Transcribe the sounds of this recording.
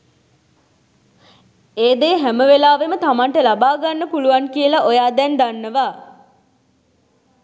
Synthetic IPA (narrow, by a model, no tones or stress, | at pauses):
eːd̪eːɦæməʋelaːʋemət̪amaɳʈəlabaːɡanːəpuluʋankijəlaʔojaːd̪ɛnd̪anːəʋaː